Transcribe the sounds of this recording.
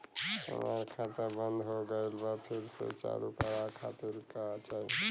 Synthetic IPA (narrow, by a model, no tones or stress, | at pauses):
ə̰maɾkʰãt̪əbənd̪ɦoɡəɪlbapʰiɾsḛt͡ʃa̰ɾupaɾakʰat̪iɾkat͡ʃaɦi